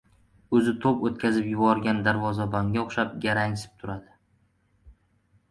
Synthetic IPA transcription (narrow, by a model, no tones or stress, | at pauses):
ɵzɪt̪ʰopot̪kʲʰazɪpjʊbɒɾɡʲand̪aɾvɒzabaŋɡʲaoχʃap̚ɡʲaɾaŋsɪ̥p̚t̪ʰʊɾad̪ɪ